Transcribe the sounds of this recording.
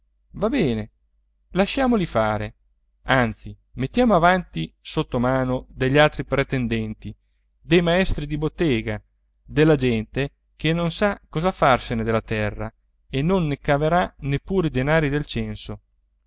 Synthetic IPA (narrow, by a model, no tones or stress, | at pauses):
vabɛːne | laʃːaːmolifaːɾe | ant̪si | met̪ːjaːmoavant̪isot̪ːomaːnod̪eʎːalt̪ɾipɾet̪ɛnd̪ɛnt̪i | d̪ejmaɛst̪ɾid̪ibot̪ːɛːɡa | d̪elːad͡ʒɛnt̪e | kenːonsakːɔːzafarsened̪elːat̪ɛrːa̰ | enːonːekaveɾanepːuːɾid̪enaːɾid̪elt͡ʃɛnso